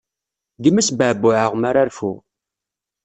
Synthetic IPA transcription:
ɡəmæsbəʕbːʊʕəʁmaɾaɾfṵ

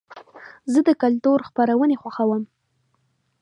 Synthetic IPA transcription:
zəd̪əkalt̪uɾxpaɾawənexwaxawəm

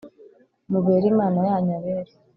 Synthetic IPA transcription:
muβeːɾimaːnajaːɲaβeːɾe

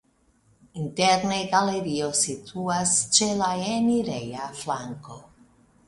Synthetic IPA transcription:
int̪ɛɾneɡaleɾiosit̪ʰuast͡ʃelaɛniɾejaflaŋko

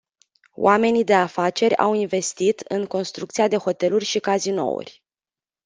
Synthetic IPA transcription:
w̰ʔame̞nid̪e̞afat͡ʃe̞ɾʲa̰winve̞st̪it̪ɨŋko̞nst̪ɾukt̪sijad̪e̞ho̞t̪e̞lurʲʃikazino̞̰ṵrʲ

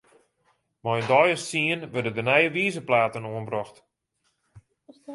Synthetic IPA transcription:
mɔjəndɔjəssiənʋødədənɛjəʋiːzəplaːtənoənbrɔxt

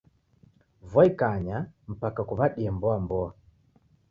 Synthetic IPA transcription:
vwaikaɲam̩pakakuβaɗiambɔambɔa

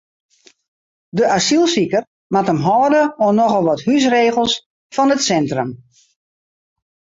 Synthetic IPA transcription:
dəʔasilˠsikər | matəmɦɔːdəonɔχəlˠʋɔthys̬reːɣəlˠs | fɔnətsɛntrəm

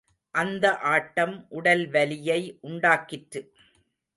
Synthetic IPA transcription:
ʔɐnd̪ɐʔaːʈːɐmʔʊɽɐlʋɐlɪjɐɪʔʊɳɖaːkɪʈɾɯ

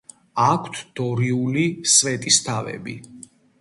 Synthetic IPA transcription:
akʰt̪ʰd̪̥ɔɾiulisvɛt̪ʼist̪ʰavɛ̰bi

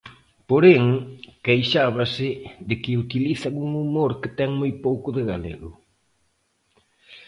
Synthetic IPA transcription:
poɾeŋkejʃaβ̞asɪðɪkɪut̪iliθaŋuŋumoɾkɪt̪ɛŋmojpowkʊðɪɣalḛɣʊ̰

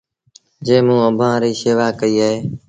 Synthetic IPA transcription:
d͡ʒẽːmũːəbʱãːɾiːseːʋaːkəiːaːɦeː

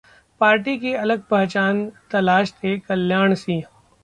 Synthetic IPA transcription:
paːɾʈikeɐləɡ̚pɐɦt͡ʃaːnt̪ɐlaːʃt̪ʰekɐljaːɽ̃siː

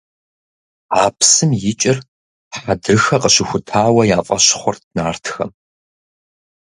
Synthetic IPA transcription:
aːpʰsɨmjɪt͡ʃʼɪr | ħadrɨxɐqəɕɪxʷʊtʰaːwɐjaːfʼɐɕχʷɔrtʰnaːrtʰxɐ̰m

